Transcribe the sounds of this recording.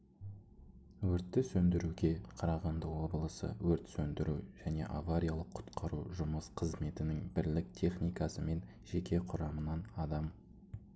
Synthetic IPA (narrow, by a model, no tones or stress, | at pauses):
wɵɾt̪ːɪsɵnd̪ɪɾuɡʲe̞qʰɑɾɑʁɑnd̪əwo̞bəlˠəsə̰wɵɾt̪sɵnd̪ɪɾṵʒæne̞̰ʔa̰vaɾʲijalˠəqʰːʊ̥t̪qʰɑɾṵʒʊməsqʰəzme̞t̪ɪnɪŋbɪɾlɪk̚t̪ʲʰe̞χnijkɑsəme̞n | ʒ̥e̞kʲe̞qʰʊɾɑmənɑnɑd̪ɑm